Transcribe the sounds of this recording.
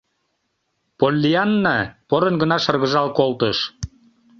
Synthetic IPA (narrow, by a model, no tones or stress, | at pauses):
polʲːiɑnːɑpoɾənɡə̆nɑʃɤrɣə̆ʒɑlkolt̪əʃ